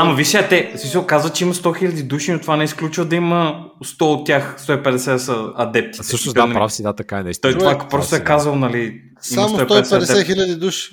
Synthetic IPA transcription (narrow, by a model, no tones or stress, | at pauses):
amɐviʃɛɐt̪ɛsmisəlˠkazvət͡ʃɛimɐst̪ɔxilʲɐd̪id̪uʃinot̪ːovanɛisklʲut͡ʃvəd̪ɐimə | st̪ɔot̪ːʲjaxst̪ɔipɛd̪ɛsɛd̪ɛsəɐd̪ɛp̚t̪itsɛɤʃnisd̪anɛpɾafsid̪at̪ɐkaɛnɛt̪t̪ɔit̪vakpɾɔst̪oɛkazəlˠnɐli | simaɐmsoɔipt̪ɔɛid̪ɛsɛɛsɛɛxilʲɐd̪id̪uʃi̥